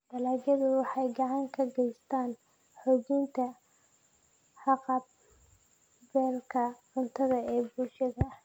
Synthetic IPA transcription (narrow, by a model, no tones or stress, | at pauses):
d̪̥ɐlaːɡɐðʊwɑħɑjɡɑʕɑŋkʰɐɡɛjst̪ʰaːn | ħɔːt͡ʃiːnt̪ʰɐ | ħɑqɑb̚ | bɛːlkʰɐʕʊnt̪ʰɐðɐɛːbulʃɐðɐ